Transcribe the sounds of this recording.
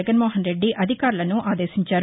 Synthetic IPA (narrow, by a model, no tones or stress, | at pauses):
ɐɡɐnmoːɦɐnɾe̞ɖːiʔɐd̪ʱikaːɾulɐnuʔaːd̪eːsiɲt͡ʃaːɾu